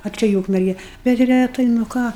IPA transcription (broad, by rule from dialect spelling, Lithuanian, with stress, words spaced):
ɐ ˈt͡ʃʲɛ ɪ ˈuːkmʲɛrʲɡʲɛ bʲɛt rʲɛˈtɐɪ nʊ ˈkɑː